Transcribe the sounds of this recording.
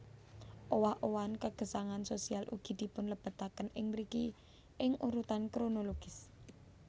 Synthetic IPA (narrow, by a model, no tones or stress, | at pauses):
ʔowahʔowankəɡ̥ə̤saŋansosialʔṵɡ̥i̤d̪̥i̤pʊnləb̥ə̤t̪akənɪŋmɾiki | ʔɪŋʔuɾut̪ankɾonoloɡ̥ɪs